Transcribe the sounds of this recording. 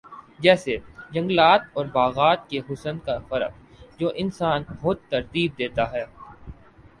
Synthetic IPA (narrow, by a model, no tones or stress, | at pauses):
d͡ʒɛːsed͡ʒɐ̃ŋɡlaːt̪ɔːɾbaːɣaːt̪̚keɦʊsənkafɐɾə̰q | d͡ʒoːʔɪnsaːnxʊd̪̚t̪ɐɾt̪iːb̚d̪eːt̪aɦɛː